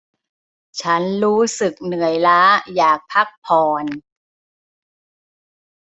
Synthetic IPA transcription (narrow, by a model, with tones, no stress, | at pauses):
t͡ɕʰa˦˥nɾuː˦˥sɯ˨˩k̚nɯ˨˩əjlaː˦˥jaː˨˩k̚pʰa˦˥k̚pʰɔː˨˩n